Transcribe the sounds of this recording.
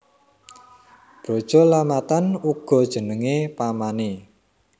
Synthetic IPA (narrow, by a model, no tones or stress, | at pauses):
b̥ɾo̤d̥ʒ̥ɔlamat̪anuɡ̥ɔ̤d̥ʒ̥ə̤nəŋepamane